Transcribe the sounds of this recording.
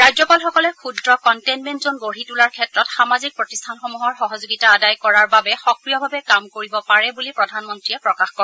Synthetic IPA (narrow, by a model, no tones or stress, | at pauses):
ɹajzɔpalxɔkɔlɛkʰudɹɔkɔntɛnmɛntzonɡoɹitulaɹkʰɛtɹɔtxamazik̚pɹotistʰanxomuɦɔɹxɔɦɔzoɡitaːdajkɔɹaɹbabɛxɔkɹijɔbʱabɛkamkoɹibɔpaɹɛbulipɹɔdʱanmɔntɹiɛpɹɔkaxkɔɹ